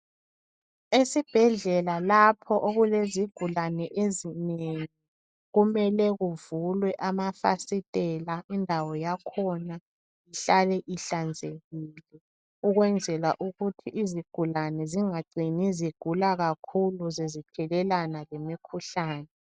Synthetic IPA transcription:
esib̥ʱɛɮɛlalapʰɔʔoɣuleziɡ̥ʱulanɛʔezineŋi | ɣumɛlɛɣuvulwɛʔamafa̰sitʼɛlaʔindʱawɔjakʰɔna | iɬalɛʔiɬand͡zʱeɣiːlɛ | uɣwɛnd͡zʱɛlaʔuɣutʰiʔːziɡ̥ʱulanɛziŋaɡ͡ǀʱiniziɡ̥ʱulaɣakʰuluzezitʰɛlɛlanalemikʰuɬaːnɛ

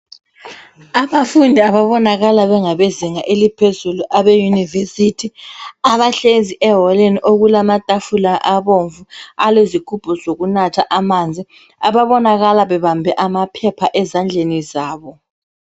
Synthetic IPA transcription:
aβafundʱiaβaβɔnaɣalaβɛŋaβeziŋaʔelipʰezuluʔaβejunivesitʰiaβaɬenziʔɛɦɔleniʔoɣulamatʼafulaʔaβoɱvualezikʰub̥ʰʱʼɔzoɣunatʰaʔamand͡zʱi | aβaβɔnaɣalaβɛβambʱɛʔamapʰɛpʰaʔɛzand͡ɮʱenizaːβɔ

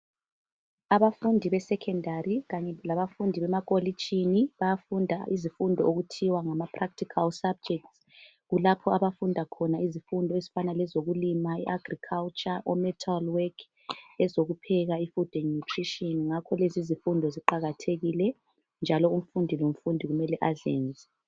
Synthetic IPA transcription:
aβafundʱiβɛsɛkʰɛndʱariɣaɲɛlaβafundʱiβɛmakʼoli̥t͡ʃʰʼiniβajafundʱa̰ʔizifundʱɔoɣutʰiwaŋamapʰrak̚tʰikʰalsab̚d͡ʒɛk̚ts | ɣulapʰɔaβafundʱakʰɔnaizifundʱɔezi̥fanalɛzoɣulimaiʔaɡrikʰalt͡ʃʼaʔɔmɛtʰalwɛkʰ | ɛzoɣupʰɛɣaifud̥ʱɛnutʰriʃiɔnŋakʰɔlezizifundʱɔziǃaɣatʰeɣilɛ | nd͡ʒʱalɔum̩fundʱilom̩fundʱiɣumɛlɛʔazḛːnd͡zʱɛ

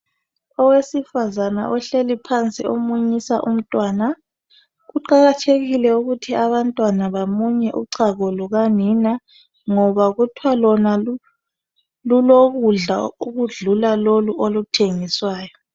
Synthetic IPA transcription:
ɔwesifazana̰ʔɔɬelipʰant͡sʼḭomuɲisaʔum̩tʼwaːna | ɣuǃaɣatʰeɣilɛuɣutʰiaβantʼwanaβamuɲɛʔṵǀʰaɣɔluɣanina | ŋɔβaɣutʰwalɔna | luloɣuɮa̰uɣuɮulaloluʔolutʰeŋiswaːjɔ

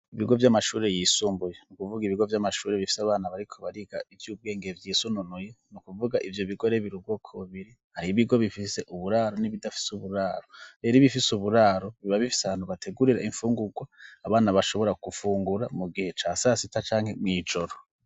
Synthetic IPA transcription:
iβiɡo̞vjamaʃuːɾe̞jiːsuːmbujenukuvuɡiβiɡo̞vjamaʃuːɾe̞βifi̥saβaːnaβaɾikʰo̞βaɾiɡaivjuːb̚ɡe̞ːŋɡe̞vjiːsununujenukuvuɡaʔivjo̞βiɡo̞ɾe̞βiɾub̚ɡoːkʰoβuβiɾi | haɾiβiɡo̞βifise̞ʔuβuɾaːɾo̞niβidafi̥suβuɾaːɾoɾe̞ɾiβifisuβuɾaɾo̞βiβaβifi̥saβaːn̥uβatʰe̞ɡuɾiɾaʔiɱfuːŋɡuɡwaːβaːnaβaʃo̞βo̞ɾakufuːŋɡuɾamuɡihe̞t͡ʃasasitat͡ʃaːŋhe̞mŋiːd͡ʒo̞ɾo

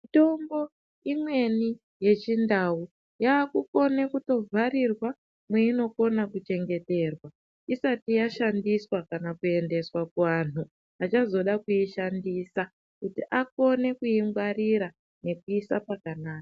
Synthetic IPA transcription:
ito̞mbo̞ | imwe̞ni | je̞t͡ʃindau | jaːkuko̞ne̞kuto̞vʱaɾirwa | mweino̞ko̞nakut͡ʃe̞ŋɡe̞te̞rwa | isatijaʃandiswakanakue̞nde̞swakuʋan̤u | at͡ʃazo̞ɗakuiʃandisa | kutiʔako̞ne̞kuiŋɡwariɾa | ne̞kuisapakanaːkḁ

